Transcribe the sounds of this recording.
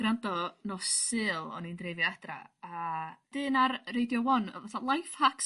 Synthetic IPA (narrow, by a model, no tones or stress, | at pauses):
ɡ̥ɾandɔnɔsɨːlˠɔ̰nindrevjadra̰ad̥ɨːnarrejdjɔwɔn̰vaθalˠajfhaks